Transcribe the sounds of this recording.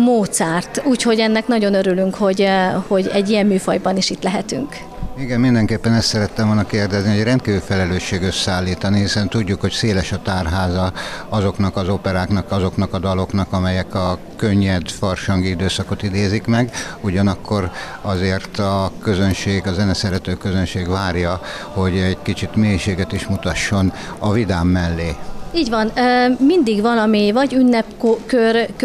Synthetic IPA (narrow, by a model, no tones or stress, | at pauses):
moːt̪sɛːrt̪uːcho̞ɟɛnːɛknɒɟo̞nøɾylyŋkho̞ɟho̞ɟɛɟːijɛmːyːfɒjbɒniʃit̪lɛɦɛt̪y̰ŋk | iɡɛmːind̪ɛŋkeːpːɛnɛst̪sɛɾɛt̪ːɛmvolnɒkeːrd̪ɛznihoɟrɛnt̪̚kiːvyːfɛlɛløːʃːeːɡøsaːlːiːt̪ɒnihisɛnt̪uɟːukho̞cseːlɛʃɒt̪aːrɦaːzɒɒzo̞knɒkɒzopɛɾaːknɒkɒzo̞knɒkɒd̪ɒlo̞knɒkɒmɛjɛkɒ | kø̞ɲːɛd̪fɒrʃɒŋɡiid̪øːsɒko̞t̪id̪eːzikmɛɡuɟɒnɒkːo̞ɾ | ɒzeːrt̪ɒkø̞zø̞nʃeːɡɒzɛnɛsɛɾɛt̪øːkøzønʃeːɡʋaːrjɒ | ho̞ɟɛɟkit͡ʃit̪meːjʃeːɡɛt̪iʃmut̪ɒʃːo̞n | ɒvid̪aːmːɛlːeːiːɟʋɒnːmind̪iɡʋɒnɒmivɒɟynːɛpkokørk